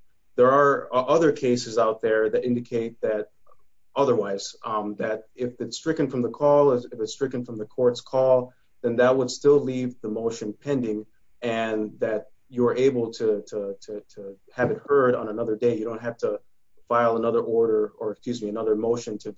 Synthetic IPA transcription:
ðə˞əʔʌðə˞kʰeɪsɨzaʊt̪̚ðə˞ðɨɾɪ̃ndɨkʰeɪt̪̚ðɨɾ | ʔʌðə˞waɪz̥ðɨɾɪfɨtstɹ̥ɪkɨ̃nfɹʌ̃mðəkʰɔlˠɪɨfɨtstɹ̥ɪkɨ̃nfɹʌ̃mðɨkʰɔɹtskʰɔlˠ | ðɨ̃nðɨt̚wəd̥stɪlˠlivðəmoʊʃɨ̃npʰɛ̃ndɪ̃ŋ | ɨ̃nðɨt͡ʃ | əə˞ʔeɪbl̩ˠtʰɨtʰəɾʰɨtʰɨ | ɨvɨt̚hɜ˞ɾn̩ənʌðə˞deɪjɨɾõʊ̃ntɦæftə | faɪlˠənʌðə˞ʔɔɹɾə˞ə˞ɨkskjʉzmiɨnʌðə˞moʊʃɨ̃ntʰɨ

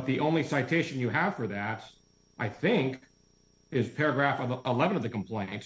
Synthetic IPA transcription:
bʌt̪̚ðiʔõʊ̃nlisaɪtʰeɪʃɨ̃n̩jɨəv̥fə˞ðæɾ | ʔaɪθɪ̃ŋk | ɪz̥pʰɛɹɨɡɹæfəlɛvɨ̃nʌvðɨkm̩pʰl̥ẽɪ̃nt

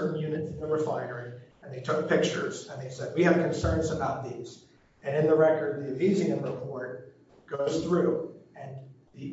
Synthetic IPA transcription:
mjʉnɨt̚n̩ðeɪwə˞faɪə˞ɪ̃ŋɨ̃nðeɪtʰʊk̚pʰɪk̚t͡ʃə̰˞z̥ɨ̃nðeɪsɛd̚wiɨv̥kʰɨ̃nsɜ̃˞nzəbaʊt̪̚ðiz̥ | ɨ̃nɨ̃nðəɹɛkə˞d̪̚ðiɨvizɪ̃ŋɨ̃vəpʰɔɹ̚ | ɡ̥oʊz̥θɹʉɨ̃nði

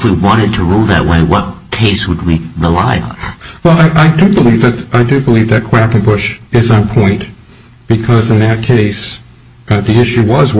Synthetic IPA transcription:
fwiwɑ̃ɾ̃ɨd̚tʰəɹulˠðɨ̰ʔ̚weɪwʌt̚kʰeɪswəd̚wiɹɪla̰ɪ̰̃nwɛlˠaɪʔaɪdɨbəlivðɨɾaɪdɨbəlivðɨt̚kʰw̥ækɨ̃nbʊʃɨz̃n̩pʰɔ̃ɪ̃nʔ | b̥ɨkʰʌzɨ̃nðɨt̚kʰeɪs | ðiɪʃʉwʌz

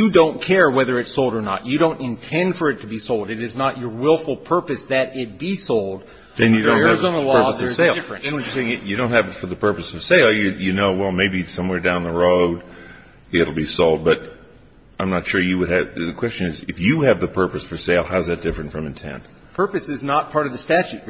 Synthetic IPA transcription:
jɨdõʊ̃nkʰɛɹwɛðə˞ɨtsoʊlˠdə˞nə̰t͡ʃɨɾõʊ̃ntɨ̃ntʰɛ̃nd̥fə˞ɨtʰɨbisoʊlˠdɨɾɨznət͡ʃə˞wɪlˠfl̩ˠpʰɜ˞pɨsðɨɾɪt̚b̥isoʊlˠd̥ | ɨ̃njɨdõʊ̃z̃n̩əlɔɜ˞sðseɪlˠɪfɹɨ̃nɨ̃nwʌɨseɪɪ̃ŋjɨdõʊ̃nthɨvɨtfə˞ðɨpʰɜ˞pɨsʌv̥seɪlˠjɨjɨnoʊwɛlˠmeɪbisʌ̃mwɛɹdãʊ̃nðəɹoʊd | ɪɾl̩ˠbisoʊlˠd̚bʌɾ | ãɪ̃mnətʃʊɹjɨwɨɾ̚ɨðɨkʰw̥ɛst͡ʃɨ̃nɨzɪfjɨɨvðɨpʰɜ˞pɨsfə˞seɪlˠhaʊzðɨt̚d̥ɪfɹɨ̃ntfɹʌ̃mɨ̃n̩tʰɛ̰̃nd̥ | pʰɜ˞pɨsɨznət̚pʰɑɹɾʌvðɨstæt͡ʃʉt̚

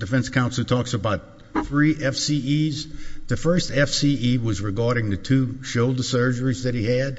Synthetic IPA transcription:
d̥ɨfɛ̃nskʰãʊ̃nsl̩ˠtʰɔksəbaʊt̪̚ | θɹiʔɛfsiizðɨfɜ˞stɛfsiiwʌzɹɨɡɑɹɾɪ̃ŋðɨtʰʉʃoʊlˠdəsɜ˞d͡ʒə˞izðɨt̚hiɨd̚

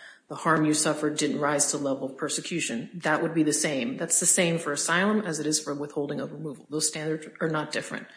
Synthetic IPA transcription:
ðəhɑɹmjɨsʌfə˞dɪdⁿn̩ʔ̚ɹaɪz̥tʰəlɛvl̩ˠpʰɜ˞sɨkʰj̥ʉʃɨ̃nðɨʔ̚wʔəd̚biðɨsẽɪ̃mðætsðɨsẽɪ̃ɱfə˞ɨsaɪlˠə̃mɨzɨɾɨz̥fə˞wɪθhoʊlˠdɪ̃ŋoʊvə˞muvl̩ˠðoʊz̥stæ̃ndə˞dzə˞nət̚d̥ɪfɹɨ̰̃nt̚

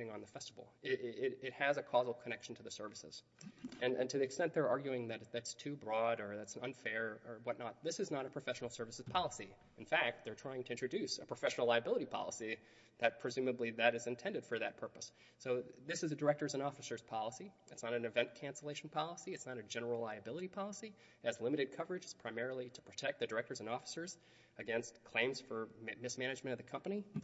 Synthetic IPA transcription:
ɾɪ̃ŋə̃nðəfɛstəvl̩ˠɪɪɾɪt̚hɨzɨkʰɔzl̩ˠkʰənɛkʃn̩tʰɨðɨsɜ˞vɨsɨ̰z̥ | ɨ̃nɨ̰̃ntʰɨðiɨkstɛ̃nðə˞ɑɹɡjʉɪ̃ŋðɨɾðætstʰʉbɹɔɾə˞ðætsʌ̰̃nfɛɹə˞wʌtⁿnət̪̚ðɪsɨznəɾəpʰɹ̥ɨfɛʃn̩l̩ˠsɜ˞vɨsɨz̥pʰɑlˠəsi | ɨ̃nfæk̚t̪̚ðə˞tʰɹ̥aɪɪ̃ŋtʰɨɪ̃nt͡ʃʰɹ̥ɨdʉsɨpʰɹ̥əfɛʃn̩l̩ˠlaɪɨbɪlˠəɾipʰɑ̰lˠə̰si | ðɨt̚pʰɹ̥ɨzʉmɨbliðɨɾɨzɨ̃ntʰɛ̃ndɨd̥fə˞ðɨt̚pʰɜ˞pəsː | oʊðɪsɨzɨdə˞ɛk̚tə˞zɨ̃nɔfɨsə˞z̥pʰɑlˠəsiɨtsnəɾɨ̃nɨvɛ̃nkʰæ̃nsəleɪʃn̩pʰɑlˠəsiɨtsnəɾɨd͡ʒɛnə˞l̩ˠlaɪɨbɪlˠəɾipʰɑlˠəsi | ɨzlɪ̃mɨɾɨd̚kʰʌvə˞ɨd͡ʒɨz̥pʰɹ̥aɪmɛɹl̩ˠiɾəpʰɹ̥ɨtʰɛk̚ðɨdə˞ɛk̚tə˞zɨ̃nɔfə̥sə˞z̥ | ɨɡɛ̃nstkʰl̥ẽɪ̃mz̥fə˞mɨsmæɾ̃nɨd͡ʒmɨ̃ɾ̃ʌvðɨkʰʌ̃mpɨñi

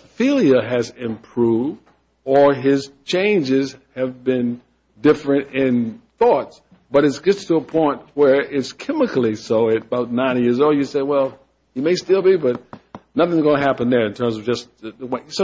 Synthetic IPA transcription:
felˠjɨɨzɪ̃mpʰɹ̥uvd | ə˞ɪz̥t͡ʃʰẽɪ̃nd͡ʒɪz̥ | ɨvbɪ̃n | dɪfɹɨ̃ntɪ̃nθɔts | b̥ʌɾɨtsʒ̥ʌstʰəəpʰɔ̃ɪ̃nt̚wə˞ɪtskʰɛmɨkl̩ˠisoʊɨɾbaʊtⁿnãɪ̃njɪɹzoʊlˠdjɨseɪwɛlˠ | himeɪstɪlˠbibʌt̚nʌθɪ̃ŋzɡõnɨɦæpɨ̃nðə˞ɨ̃ntʰɜ̃˞mzʌvd͡ʒʌswes

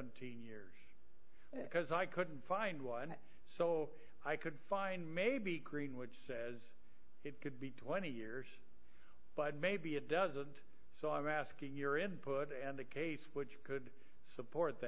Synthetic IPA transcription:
ntʰĩnjɪɹz̥ | b̥ɨkʰʌzaɪkʰʊdⁿn̩tfãɪ̃nd̚wʌ̃n | soʊ | aɪkʰɨd̥fãɪ̃nmeɪbiɡɹĩnwɪt͡ʃsɛz | ɨt̚kɨd̚bitʰw̥ɛ̃ɾ̃ijɪɹz̥ | b̥ʌt̚meɪbiɨt̚d̥ʌzə̃nt | soʊãɪ̃mæskɪ̃ŋjə˞ɪ̃npʰʊɾɨ̃nɨkʰeɪswɨt͡ʃkʰɨd | səpʰɔɹt̪̚ðɨ

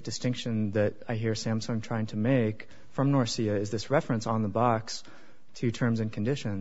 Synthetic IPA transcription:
d̥ɨstɪ̃ŋkʃɨ̃nðɨɾaɪɦiɹsæ̃msə̃ntʰɹ̥aɪɪ̃ŋtʰɨmeɪk | fɹʌ̃mnɔɹsiɨɨzðɪsɹɛfɹɨ̃nsn̩ðəbɑks | tʰɨtʰɜ̃˞mzɨ̃nkʰn̩dɪʃɨ̃n

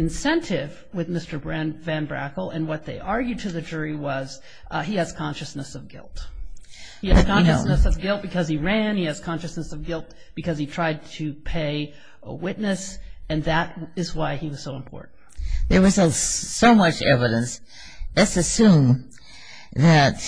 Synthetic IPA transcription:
ɨ̃nsɛ̃ntʰɪv | wɨðmɪstə˞bɹæ̃nvæ̃nbɹæ̰kl̩ˠɨ̃nwʌt̪̚ðeɪʔɑɹɡjʉd̚tʰɨðɨd͡ʒʊɹiwʌz̥ | iɨz̥kʰɑ̃nʃɨsnɨsʌvɡɪ̰lˠt̚ | hiɨzkʰɑ̃nʃɨsnɨsʌvɡɪlˠt̚b̥ɨkʰʌziɹæ̃niɨz̥kʰɑ̃nʃɨsnɨsʌvɡɪlˠt̚ | b̥ɨkʌz̥itʰɹ̥aɪd̚tʰɨpʰeɪ | ə̰wɪtⁿnɨsɨ̃nðɨɾ̚ɨzwaɪiwʌz̥soʊə̃mpʰɔ̰ɹʔn̩t̚ðə˞wʌzsoʊmʌt͡ʃɛ̰vɨɾɨ̃ns | ðɨtsɨsũm | ðɨt̚

